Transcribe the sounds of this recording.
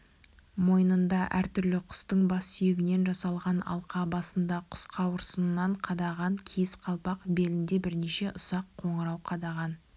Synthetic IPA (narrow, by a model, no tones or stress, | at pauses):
mo̞jənənd̪ɑʔæɾt̪ʰʏɾlɪqʰʊ̥st̪əɴbɑsːʏjɪɡʲɪne̞nʒɑsɑlˠʁɑnɑ̰lˠqɑbɑsənd̪ɑqʰʊ̥sqʰɑwəɾsənnːɑɴqʰɑd̪ɑʁɑŋkʲʰesqʰɑlˠpɑqbe̞lɪnd̪e̞bɪɾne̞ʃe̞ʔʊsɑqʰːo̞ɴəɾɑwqʰɑd̪ɑʁɑn